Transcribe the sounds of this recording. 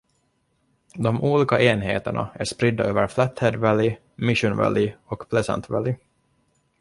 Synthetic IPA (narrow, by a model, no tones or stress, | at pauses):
d̪ɔmuːliːkaʔeːnɦḛːt̪əɳa̰æʂpɾɪd̪ːaʔøːvəɾflæt̪hɛd̪vælɪ | mɪʂʊnvæ̰lɪɔkpʰlɛsɛ̰nt̪vælɪ